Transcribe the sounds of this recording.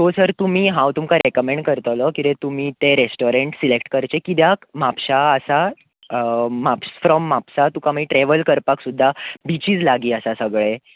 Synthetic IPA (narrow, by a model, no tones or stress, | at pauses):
t̪osəɾt̪um̤iːɦãwt̪umkaɾekəmẽɳɖkəɾt̪lɔkit̪et̪um̤iːt̪eɾesʈoɾeɳʈsilekʈkəɾt͡ɕekid̪jakmapɕaːsa | mapsfɾɔmːapsat̪ukaməiʈɾeʋəlkəɾpaksud̪ʱːabit͡ɕiːt͡slaɡiːəsasəɡɭe